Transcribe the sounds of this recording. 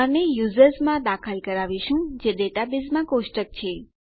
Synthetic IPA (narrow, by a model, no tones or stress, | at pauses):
aɾnejuzəɾsmãd̪akʰəlkəɾaʋiʃũd͡ʒeɖeʈabizmãkoʃʈək̚t͡ʃʰe